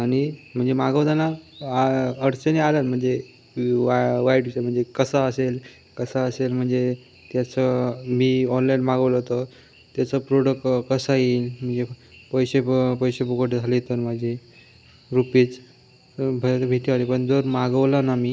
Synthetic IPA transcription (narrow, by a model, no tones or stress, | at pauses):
aɽ̃im̤əɳd͡zemaɡəʋd͡zana | əɽt͡sənealəlm̤əɳd͡ze | ʋaiʈʋisəm̤əɳd͡zekəsaəsel | kəsaəselm̤əɳd͡ze | t̪jat͡səmiːɔnlajnmaɡəʋləɦot̪ə | t̪jat͡səpɾoɽəkːkəsailm̤əɳd͡zepəjɕepəjɕepukoʈed͡zʱalit̪əɾmad͡ʑʱi | ɾupiːt͡s | bʱəəbʱiʈiaɾipəɳd͡zəɾmaɡəʋlanamiː